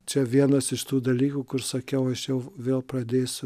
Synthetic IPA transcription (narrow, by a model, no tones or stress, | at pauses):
t͡ʃʲɛʋʲiɛnɐsɪʃt̪uːd̪ɐlʲiːkuːkʊɾsɐkʲɛʊɐʃjɛʊʋʲeːlˠpɾɐd̪ʲeːsʲʊ